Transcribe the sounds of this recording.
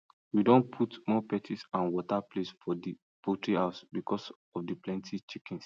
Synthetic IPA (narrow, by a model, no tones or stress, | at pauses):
widɔ̃npʰutmɔpɛtʰisãnwɔtaplesfɔdi | potɹihaʊsbikʰɔs | ɔfdiplɛ̃ntʰit͡ʃikĩns